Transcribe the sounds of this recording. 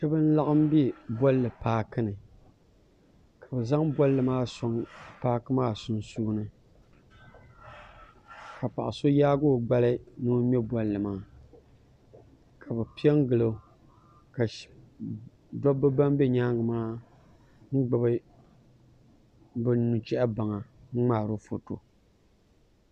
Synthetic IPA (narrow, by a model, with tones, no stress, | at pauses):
t͡ʃɛ˦bɨ˦n̩˦la˦ʔɨ˦m˦bɛ˦bɔ˦lːɨ˨paː˦kɨ˦nɨ˨ | kʰa˨bɨ˨za˦ŋbɔ˦lːɨ˨maː˦sɔ˨˦ŋpaː˦kɨ˦maː˦sʊ˨nsuː˦nɨ˦ | ka˨pa˨ʔɪ˨so˦jaː˦ɡo˦˨ɡ͡ba˦lɨ˦nɨ˦m˦ɛ˦bɔ˦lːɨ˨maː˦˨ | kʰa˨bɨ˨pi˦ɛ˦ŋ˦ɡɨ˨lo˦ | ka˨ | dɔ˦bɨ˦ba˦mbɛ˦ɲaː˦ŋɡɨ˨maː˦ | ŋ̩˦ɡ͡bɨ˨bɨ˦ | bɨ˦nu˨t͡ʃɛ˦ʔa˦ba˨ŋa˨ŋ̩˦ŋ͡maː˦˨ɾo˦fo˨to̰˨